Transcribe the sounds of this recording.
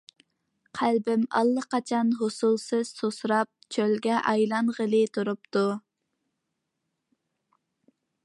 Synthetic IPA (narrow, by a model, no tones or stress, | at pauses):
qʰælbɪmɑ̰lˠːəqɑt͡ʃʰɑnɦosulˠsɨz̥sosɾɑp̚t͡ʃʰølɡʲɛʔɑjlˠɑnʁəlˠɨt̪ʰuɾup̚t̪u